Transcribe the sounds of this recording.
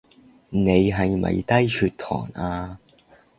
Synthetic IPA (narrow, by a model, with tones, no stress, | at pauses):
ne˨˧jɦɐ˨˧jmɐ̰˨˩jt̪ɐ˥jt͡ʃʰyː˧t̚t̪ʰɔ̰ː˨˩naː˧